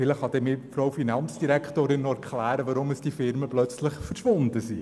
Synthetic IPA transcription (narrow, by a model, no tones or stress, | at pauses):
fɪləχhɑd̥̪ɛːmɪfɾowfinɑnt͡sd̥iɾækχtoːɾɪnːɔɛɾkʰlæːɾəʋɑɾʊməsd̥ifɪɾməplœt͡slɪχfəɾʃʋʊnd̪əsi